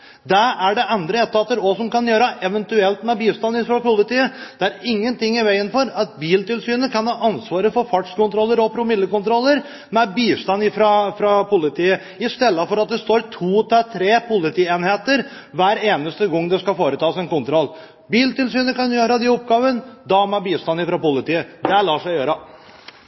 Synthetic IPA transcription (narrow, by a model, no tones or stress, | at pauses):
d̪æɾæɖɛʔɛnd̪ɾəɛt̪ːɑt̪ːəɾɔsɔmkɑnjøːɾəʔɛʋənt̪ʉɛlt̪mɛbiːst̪ɑnɪfɾɑpʊlɪt̪iːəd̪̥ɛæɾɪŋːənt̪ɪŋːɪʋæɪənfɔɾɑt̪̚biːlt̪ɪlsyːnəkɑnhɑːʔɑnsʋɑːɾəfɔɾfɑʈʂkʊnt̪ɾɔlːəɾɔpʰɾʊmɪd̪ːəkʊnt̪ɾɔlːəɾ | mɛbiːst̪ɑnɪfɾɑfɾɑpʊlɪt̪ʰiːə | ɪst̪ɛlːəfɔɾɑt̪̚d̪ɛst̪oːɾt̪ʰuːt̪ʰɛt̪ʰɾeːpʰʊlɪt̪ʰiːeːnheːt̪əɾ | ʋæːɾeːnəst̪əɡɔŋːd̪ɛskɑfoːɾət̪ʰɑːsɛnkʊnt̪ɾɔlː | biːlt̪ɪlsyːnəkɑnjøːɾəd̪ɛʊp̚ɡɑːʋənd̪ɑmɛbiːst̪ɑnɪfɾɑpʊlɪt̪iːəd̪ɛælɑːʂæɪjøːɾə